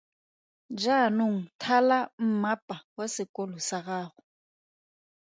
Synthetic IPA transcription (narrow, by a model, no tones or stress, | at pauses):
d͡ʒanʊŋ̩tʰalam̩mapʼawasɪkʼɔlɔsaɣaːɣʊ